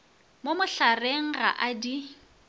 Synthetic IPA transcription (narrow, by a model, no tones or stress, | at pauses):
momʊɬareŋ̩ɣa̰ʔadi